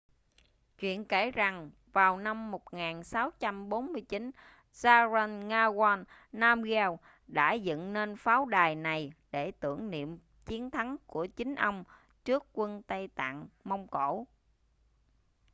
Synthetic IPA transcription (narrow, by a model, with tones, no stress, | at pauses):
t͡ɕwḭ˧˨ənke˧˩za˨˩ŋ | vaː˨˩wna˧mːo˨˩t̚ŋaː˨˩nsa˨˦wt͡ɕa˧mɓo˨˦nmɨ˧əjt͡ɕi˨˦n | zaː˧zə˧nŋaː˧ɣaː˧nːaː˧mɣɛ˧w | ɗa̰ː˧˥zə̰˧˨nne˧nfaː˨˦wɗaː˨˩jna˨˩jɗe˧˩t̪ɨ˧˩əŋnḭ˧˨əm | t͡ɕi˨˦ənt̪ʰa˨˦ŋku˧˩ət͡ɕï˨˦ŋ̟ʔə˧wŋ͡m | t͡ɕɨ˦˥əkːwə˧nt̪ə˧jt̪a̰ː˧˨ŋmə˧wŋ͡mko̰˧˩˥